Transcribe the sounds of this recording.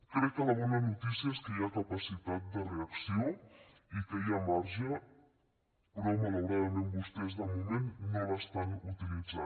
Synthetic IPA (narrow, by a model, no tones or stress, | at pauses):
kɾɛk̚ːələβ̞ɔnəznut̪isiəeskəiakəpəsit̪at̪̚d̪əreəksio | ikəiamaɾʒə | pɾomələwɾaðəmembust̪ɛzðəmumenːoβəst̪anut̪ilid͡za